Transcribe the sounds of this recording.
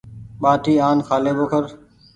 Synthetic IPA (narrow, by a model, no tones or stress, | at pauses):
ɓaːʈʰiːaːnkʰaːleːboːkʰəɾ